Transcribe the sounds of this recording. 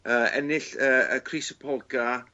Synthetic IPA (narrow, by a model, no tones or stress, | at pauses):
əːɛ̰nɪɬəə̰kʰrisəpʰɔlˠɡa